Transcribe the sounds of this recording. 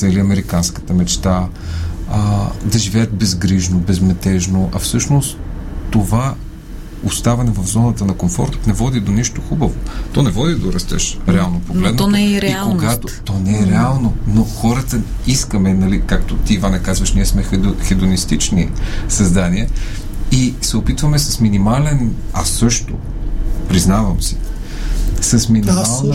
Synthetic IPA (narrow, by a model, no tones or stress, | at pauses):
ɛliɐmɛɾikanskə̥t̪əmɛt͡ʃt̪a | d̪ɐʒivɛjət̪̚bɛzɡɾiʒnobɛzmɛt̪ɛʒnoʔɐfsɤʃnostt̪ːova | ost̪avɛnɛvɐvzɔnət̪ənɐkomfɔ̰ɾt̪t̪nɛvɔd̪id̪oniʃt̪oxubəvot̪ɔnɛvɔd̪id̪oɾɐst̪ɛ̰ʃɾɛalˠnopoɡlɛd̪nnɛɾɛikoɡat̪ot̪ɔnɛɛɾɛalˠnonoxɔɾət̪ə | iskəmɛnɐlikakt̪ot̪iːvanɛkazvɐʃniɛsmɛxɛd̪onist̪it͡ʃnisɐzd̪aniɛ | isɛopit̪vəmɛsɐsminimalɛn | asɤʃt̪o̰ | pɾiznavɐmsi̥ | sɐsminimalˠn